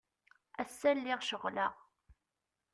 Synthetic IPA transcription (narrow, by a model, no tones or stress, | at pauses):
æsːælːɪʁʃəʁlaʁ